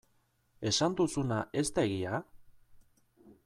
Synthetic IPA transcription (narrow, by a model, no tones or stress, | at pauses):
e̞sand̪usunaʔe̞st̪aeɣia